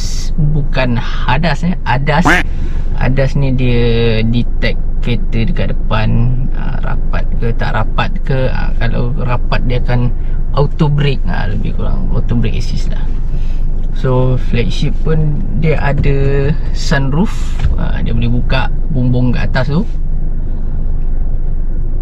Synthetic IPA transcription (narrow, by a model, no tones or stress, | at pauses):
s | bukan | hadasə | adas | ʔa̰dasnĩdiə | dit̪ɛkː | et̪ədəkaʔdəpan | ə̰ra̰pa̰t̪̚kət̪a̰ʔɾapat̪̚kə | ə̰kala̰w | rapat̪̚diəakan | ʔawt̪obɾik̚ə̰ləbɪhkuɾa̰ŋa̰wt̪obɾɪk̚esisla̰h | so | flɛk̚ʃip̚ːun | diəʔadə | sanruf | ə̰diəbolɛhbukaʔ | buŋbʊŋɡaʔt̪ast̪u